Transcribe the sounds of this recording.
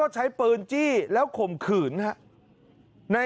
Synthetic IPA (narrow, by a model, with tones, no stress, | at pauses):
ɔː˥˩t͡ɕʰa˦˥jpɤː˧nt͡ɕiː˥˩lɛː˦˥wkʰo˨˩mkʰɯː˨˩nɦa˦˥ʔ | na˧